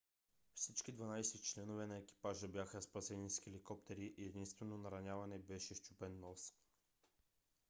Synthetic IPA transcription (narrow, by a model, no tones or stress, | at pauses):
fsit͡ʃkid̪vanajsɛtt͡ʃlɛnovɛnaɛki̥paʒabjaxaspasɛniskʲiɛlikɔpt̪ɛɾiʔɛd̪inst̪vɛnonaɾaɲʲavanɛbɛʃɛʃt͡ʃupɛnːɔsk